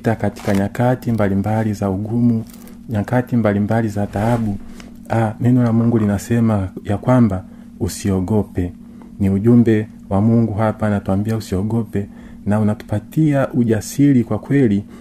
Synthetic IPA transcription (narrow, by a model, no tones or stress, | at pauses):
takati̥kaɲakatimbalimbalizauɡumu | ɲakatimbalimbalizataaɓu | amɛnɔlamwɛŋɡulinasɛmajakwamba | usiɔɡɔpɛ | niuʄumbɛ | wamuŋɡuɦapaːnatuambiausiɔɡɔpɛ | naunatu̥patiaʔuʄasilikwakwɛli